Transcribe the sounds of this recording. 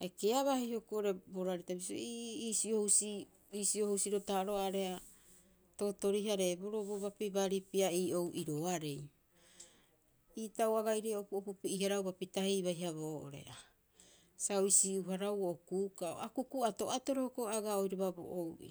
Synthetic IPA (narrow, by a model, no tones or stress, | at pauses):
aekeaβahihokuoɾe̞boɾaɾitabis̬o̰iisiohusi | iːsiohusiɾotaɾo̞aɾea | to̞to̞ɾiɦaɾe̞bo̞ɾoboβapibaɾipiaiːʔowʔiɾoaɾe̞j | iːtawaɡajɾeopuopupiihaɾawbapitahejβajɦaβoːʔo̰ɾe̞̰ʔa | saoisiuɦaɾawookuːkao̰akukuato̞ato̞ɾohokoaɡaojɾeβabo̰ʔowʔḭ